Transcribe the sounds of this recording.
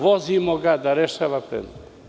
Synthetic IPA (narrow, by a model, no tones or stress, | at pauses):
vozimoɡad̪aɾɛʃavapɾɛ̰nt̪